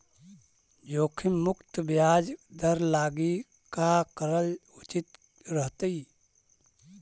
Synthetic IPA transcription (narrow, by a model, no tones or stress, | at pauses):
d͡ʒoːkʰimʊkt̪bjaːd͡ʒd̪əɾlaːɡi | kakəɾəlʊt͡ʃit̪ | ɾəɦt̪əi